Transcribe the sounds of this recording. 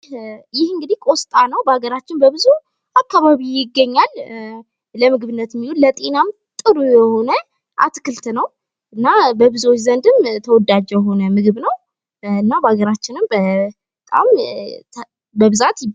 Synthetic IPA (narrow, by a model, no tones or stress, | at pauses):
jɪhɨŋɡɨd̪ihkʼo̞st̪ʼanəwbəaɡəɾat͡ʃːɪnbəbɨzu | ʔakːaβaβijɪɡːəɲːal | ləmɨɡɨβɨnːət̪mːilullət̪ʼenam | t̪ʼɨɾujɛho̞nə | ʔa̰t̪kʰɨlt̪nəw | ʔɨnːabəbɨzuwot͡ʃːzənd̪ɨmt̪ʰəwɔd̪ad͡ʒɛjɛɦo̞nəmɨɡɨβnəw | ɨnːabəaɡəɾat͡ʃːɪnɨmbə | t̪ʼa̰m | bəβɨzat̪